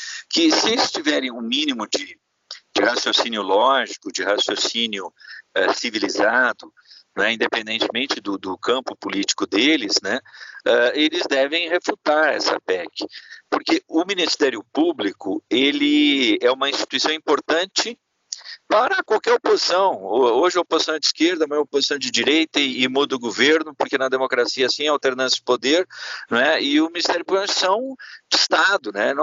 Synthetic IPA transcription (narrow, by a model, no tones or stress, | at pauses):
kɪsɪelɪst͡ʃivɛɾẽj̃ũmĩnimʊd͡ʒɪ | d͡ʒɪhasjosinjʊlɔʒikʊd͡ʒɪhasjosĩnjʊɛsivilizad̪ʊ | nɛĩnd̪epẽnd̪ẽt͡ʃɪmẽnt͡ʃɪd̪ʊd̪ʊkɐ̃mpʊpʊlit͡ʃi̥kʊd̪elɪznɛɛelɪzd̪ɛvẽj̃heflut̪aɾɛ̰sɐ̰pɛkɪ̥poɾkeʊminist̪ɛɾjʊpublikʊ̰elɪɛũmɐĩst͡ʃi̥t̪uisɐ̃w̃ĩpoɾt̪ɐ̃nt͡ʃɪ | paɾɐkwawkɛɾopozisɐ̃w̃oʒɪɛopozisɐ̃w̃d͡ʒiskeɾd̪ɐmẽmɐopozisɐ̃w̃d͡ʒɪd͡ʒiɾejt̪ɐɪːmud̪ɐʊɡoveɾnʊpoɾkenɐd̪emokɾasiɐsĩɛawt̪eɾnɐ̃sjɐd͡ʒɪpod̪eɾñɛɪʊmĩnist̪ɛɾjʊpubl̃ʃsɐ̃w̃d͡ʒ̪ʊist̪ad̪ʊnɛn